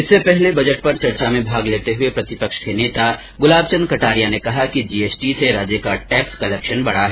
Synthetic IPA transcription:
ɪsːepɛɦlebɐd͡ʒəʈ̚pɐɾt͡ʃɐɾt͡ʃamẽbʱaːɡleːt̪eɦʊepɾɐt̪ɪpəkʃkeneːt̪a | ɡʊlaːbt͡ʃə̃nd̪ɾkɐʈaːɾijanekɐɦakid͡ʒiːeːsʈiseɾaːd͡ʒjəkaʈɛːkskɐlɛːkʃənbɐɽaɦɛ

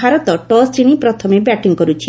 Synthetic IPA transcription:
aɾɔt̪ɔʈɔsɾiɽ̃ipɾɔt̪ʰɔmebɛʈiŋkɔɾut͡ʃʰi

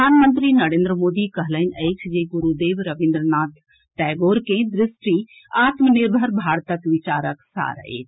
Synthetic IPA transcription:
paːnmə̃nt̪ɾinɐɾẽːnd̪ɾəmoːd̪ikɐɦlənɛːksd͡ʑeːɡʊɾud̪eːʋɾɐʋɪ̃nd̪ɾnaːt̪ | ʈaːɪɡoːɾkẽd̪ɾɪsʈi | aːt̪mnɪɾbʱəɾbʱaːɽt̪əkʋɪt͡ɕaːɾəksa̰ːɾɐ̰ɦḛːt̪

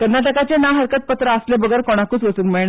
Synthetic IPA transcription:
kəɾnaʈəkat͡ɕenaɦəɾkət̪̚pət̪ɾəəslebəɡəɾkɔɽ̃akuːt͡sʋəsuːnmiɭɳ

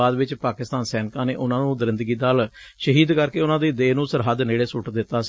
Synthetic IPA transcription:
aːd̪ʋɪt͡ʃpaːkɪst̪aːnsɛːnkãːneːʔʊnãːnũːd̪ɾɪ̃nd̪əɡiːd̪aːl | ʃəɦiːd̪kəɾkeːʊnãːd̪eːd̪eːnũːsəɾɦəd̪neːɽeːsʊʈd̪ɪt̪ːaːs

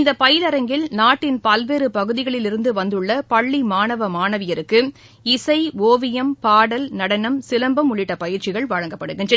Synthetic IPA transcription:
ɪnd̪ɐpɐjɪlɐɾɐŋɡɪlnaːʈːɪnpɐlʋeːɾɯpɐɣɯðɪɣɐɭɪlɪɾɯnd̪ɯʋɐnd̪ɯɭːɐpɐɭːimaːnɐʋɐmaːnɐʋɪjɐɾɯkːɯ | ɪsɐɪoːʋɪjɐmpaːɽɐlnɐɽɐnɐmsɪlɐmbɐmʊɭɪʈːɐpɐjɪɾt͡ʃɪɣɐɭʋɐɻɐŋɡɐpːɐɽɯɣɪndrɐ

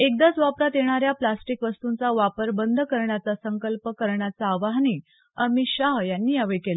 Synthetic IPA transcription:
ek̚d̪at͡sʋapɾat̪jeɽ̃aɾjaplasʈikʋəst̪unt͡saʋapəɾbənd̪ʱkəɾɳjat͡sasəŋkəlpəkəɾɳjat͡saːʋaɦniː | amiːɕaɦjanːiːjaʋekela

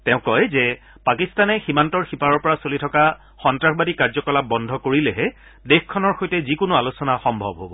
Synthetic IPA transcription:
tɛʊ̃kɔjzɛ | pakistanɛximantɔɹxipaɹɔɹpɔɹasolitʰɔka | xɔntɹaxbadikaɹzɔkɔlap̚bɔndʱɔkoɹilɛɦɛ | dexkʰːɔnɔɹxojtɛzikʊnʊalosɔnaxɔmbʱɔbɦobɔ

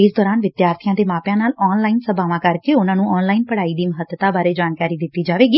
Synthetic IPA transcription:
ɪsd̪ɔːɾaːnʋɪd̪jaːɾt̪ʰɪjãːd̪eːmaːpjãːnaːlɔːnlaːinsəbaːʋãːkəɾkeːʊnãːnũːɔːnlaːinpəɽaːiːd̪iːməɦət̪ːət̪aːbaːɾeːd͡ʒaːnkaːɾiːd̪ɪt̪ːiːd͡ʒaːʋeːɡiː

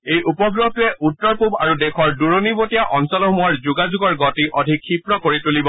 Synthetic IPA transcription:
ejʔupɔɡɹoɦtujɛʔutːɔɹpuba̰ɹudɛkʰɔɹduɹonibotijaʔɔnsɔlɔmuɔɹzuɡazuɡɔɹɡɔtiʔɔdʱikʰːipɹɔkoɹitulibɔ

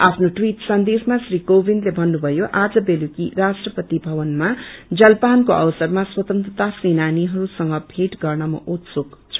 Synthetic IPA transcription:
apʰnoʈwiʈsʌnd̪esmasrikobʱind̪lebʱʌnːubʱʌjoʔad͡zʌbelukirasʈrʌpʌt̪ibʱʌβʌnmad͡zʌlpankoʔʌ̰wʌsʌrmaswʌt̪ʌnt̪ʌt̪asenaniɦʌɾusʌŋɡʌbʱeʈɡʌrnʌmʌ̰ʔot̪sokt͡sʰʌ̥

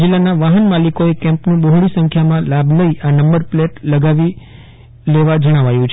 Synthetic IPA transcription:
d͡ʒilːanaʋaɦənmalikoekɛ̃mpnũɓoɦɽisə̃ŋkʰjamãlabʱləiʔanəmbəɾpleʈləɡaʋi | leʋad͡ʒəɽ̃aʋajũt͡ʃʰ

